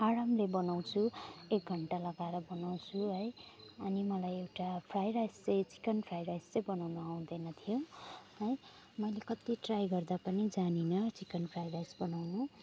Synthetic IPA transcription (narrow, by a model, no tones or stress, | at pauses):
aɾamlebʌnaw̃t͡sʰuek̚ɡʱʌɳʈalʌɡaɾʌbʌnaw̃t͡sʰuɦʌjʌnimʌlajewʈapʰrajɾajst͡sʌjt͡si̥kʌnpʰrajrajst͡sʌjbʌnawnuaw̃d̪ʌjnʌt̪ʰijoɦʌj | mʌjlekʌt̪iʈrajɡʌrd̪apʌnid͡zaninʌt͡sikʌnpʰrajɾajsbʌnawnu